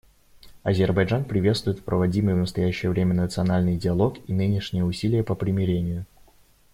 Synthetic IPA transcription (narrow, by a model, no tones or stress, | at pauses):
ɐzʲɪrbɐjʐanpɾʲɪvʲe̞t̪st̪vʊjɪt̪fpɾʔəvɐdʲimɨjvnəst̪ɐjæɕːɪjəvɾʲemʲənət̪sɨɐnalʲnɨjdʲɪɐlˠo̞kinɨnʲɪʂnʲɪjəʊsʲilʲɪjəpəpɾʲɪmʲɪɾʲenʲɪjʊ